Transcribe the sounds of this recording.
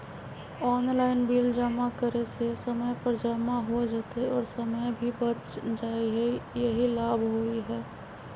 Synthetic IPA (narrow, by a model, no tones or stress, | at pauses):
ɔːnlaːɪnbiːld͡ʒəmakəɾesesɐməjpəɾd͡ʒamaɦod͡ʒaːt̪eɔːɾsɐməjbʱibɐɾ | d͡ʒaːiɦɛjɐɦilaːbʱɦoiɦɛː